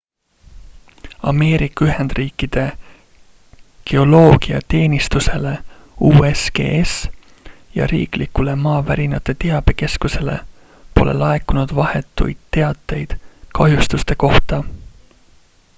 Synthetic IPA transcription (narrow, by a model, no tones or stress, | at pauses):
ɑme̞ːɾikːˑɑyɦend̪̥riːkːˑid̪̥e̞ | ke̞o̞lo̞ːɡ̥iɑ̰t̪e̞ːnist̪use̞le̞uːesɡ̥e̞̰ːes | jɑ̰ɾḭːklikːule̞mɑːvæɾinɑt̪ːˑe̞t̪e̞ɑb̥e̞ke̞skuse̞le̞̰ | po̞̰le̞̰lɑekːunud̪̥vɑhe̞t̪ːˑṵjd̪̥̚t̪ːe̞ɑt̪ːˑe̞jd̪̥kɑɦjust̪ust̪e̞ko̞ht̪ɑ